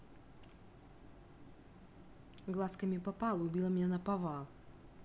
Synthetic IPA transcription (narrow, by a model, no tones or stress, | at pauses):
ɡlˠaskɐmʲɪpɐpalˠʊbʲilˠɐmʲnʲɛnɐpɐvalˠ